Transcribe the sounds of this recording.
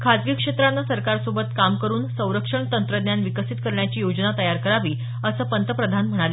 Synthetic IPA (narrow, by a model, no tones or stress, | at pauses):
kʰad̪ɡikʂet̪ɾanːasəɾkaɾsobət̪kamkəɾuːnsə̃w̃ɾəkʂəɳt̪ənt̪ɾəd̪njanʋikəsit̪kəɾɳjat͡ɕiːjod͡ʑnat̪əjaɾkəɾaʋiː | əsəːpənt̪əpɾəd̪ʱanm̤əɽ̃aleː